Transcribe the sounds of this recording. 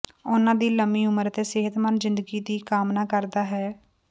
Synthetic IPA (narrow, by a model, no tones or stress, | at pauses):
ʊnãːd̪iːləmiːʊməɾət̪eːseɦət̪mənzɪ̃nd̪əɡiːd̪iːkaːmnaːkəɾd̪aːɦɛː